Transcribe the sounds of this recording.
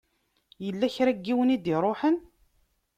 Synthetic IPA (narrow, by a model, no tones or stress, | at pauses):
jəlːæçɾæɡːiwənid̪iɾˤoħən